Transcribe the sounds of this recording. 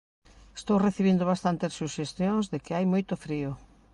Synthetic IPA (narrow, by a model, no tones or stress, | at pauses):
est̪owreθiβind̪ʊβ̞ast̪ant̪essːuʃest̪jõŋzðekɪajmojt̪ʊfɾiʊ